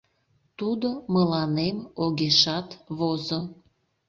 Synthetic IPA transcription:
t̪ud̪oməlɑnemoɣeʃɑt̪βozo

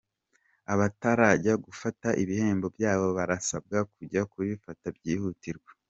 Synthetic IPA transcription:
aβataɾaɟaɡufataʔiβihe̞ːmbo̞bjaːβo̞βaɾasab̚ɡakuɟakuβifatabɟiːhutiɾɡwe̥

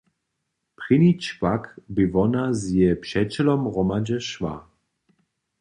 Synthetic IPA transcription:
pʁɪnit͡ʃkvakbɪvɔnazjɛpʃɛt͡ʃɛlɔmʁɔmad͡ʒɛʃva̰

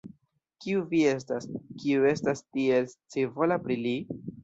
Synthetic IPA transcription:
kiuvie̞s̬taskiue̞stastie̞lt͡sevo̞lapɾili

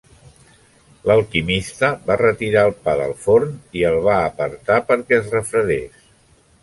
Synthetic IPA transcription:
ləlˠkimist̪əbarət̪iɾaəlˠpaðə̰lˠfoɾniəlˠβ̞aəpəɾt̪apəɾkɛəzrəfɾəðes

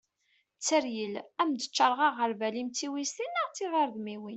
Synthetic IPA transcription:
t͡sːəɾjəlæmd̪ə̥t͡ʃːəɾˤʁɑʁəɾvælimt͡sːiwist̪inːəʁt͡sːiðəɾðmiwin

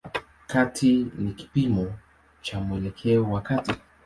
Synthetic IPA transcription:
katʰiniki̥pimo | t͡ʃamwelekʰeowakati

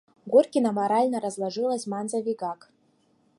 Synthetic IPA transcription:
ɡʷurkʲinamaɾalʲnɐɾazlˠaʐɨlˠɐsʲmanzavʲiɡak

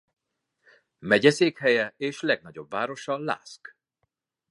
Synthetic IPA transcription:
mɛɟɛseːkhɛjɛeːʃlɛɡ̚nɒɟo̞bvaːɾo̞ʃɒla̰ːsk

